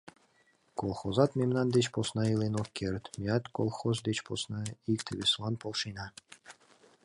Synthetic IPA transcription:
kolˠxozɑt̪memnɑnd̪et͡ɕposnɑilenokːert̪mʲiɑt̪kolˠxozd̪et͡ɕposnɑikt̪ʰəβeslɑnpolˠʃijnɑ

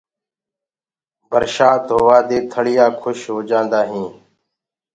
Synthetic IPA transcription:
bʱəɾʃaːt̪ɦoːʋaːd̪eːt̪ʰəɽɪjaːkʰʊʃɦoːd͡ʒãːnd̪aːɦĩː

